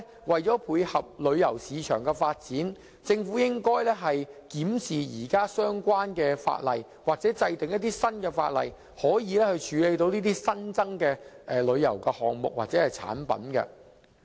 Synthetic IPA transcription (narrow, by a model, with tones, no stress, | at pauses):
wɐ˨jt͡sɔː˨˥pʰuː˨˧jhɐ˨p̚lɵ˨˧ɥjɐ˨˩wsiː˨˧t͡ʃʰœ̰ː˨˩ŋkɛ˧faː˧t̚t͡siː˨˥n | t͡sɪ˧ŋfuː˨˥jɪ˥ŋkɔː˥jlɛː˥ɦɐ˨jkiː˨˥msiː˨˩jiː˨˩kaː˥sœː˥ŋkʷaː˥nkɛː˧fa̰ː˧t̚lɐ̰˨˩j | waː˨k̚t͡sɛː˨˥t͡sɐ˧jt̪ɪ˨ŋjɐ˥t̚t̪iː˥sɐ˥nkɛ˧fa̰ː˧t̚lɐ̰˨j | hɔː˨˥jiː˨˧lɛː˥hɵ˧ɥt͡ʃʰyː˨˧le˨˧jt̪o˧wniː˥t̪iː˥sɐ˥nt͡sɐ˥ŋkɛː˧ʔɛ˨lɵ˨˧ɥjɐ̰˨˩wkɛ˧hɔː˨ŋmʊ̰˨k̚waː˨k̚t͡sɛː˨˥hɐ˨jt͡sʰa̰ː˨˥npɐ̰˨˥nkɛ̰˧